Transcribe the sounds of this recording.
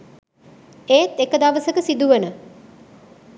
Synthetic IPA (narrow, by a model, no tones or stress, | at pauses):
eːt̪ekəd̪aʋəsəkəsid̪uʋənə